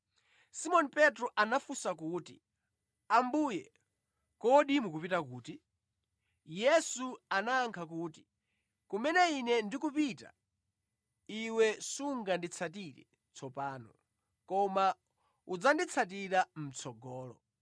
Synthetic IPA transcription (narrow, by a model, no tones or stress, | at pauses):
simɔnipɛtɾɔʔanafusakuːtḭ | ambujɛ | kɔɗimukupitakuːti | jɛsuanaːŋkʰakuːti̥ | kumɛnɛinɛndikupita̰ | iwɛsuŋɡandit͡sʰat̬iɾɛ̰ | t͡sʰɔpaːnɔ | kɔma | ud͡zandit͡sʰat̬iɾam̩t͡sʰɔɡɔːlɔ̰